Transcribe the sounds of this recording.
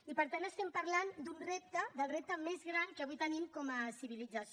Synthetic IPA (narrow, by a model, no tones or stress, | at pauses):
ipəɾt̪anəst̪ɛmpəɾland̪unrep̚t̪əd̪əlˠrep̚t̪əmezɣɾankəβujt̪ənimkɔməsiβ̞ilid͡zəs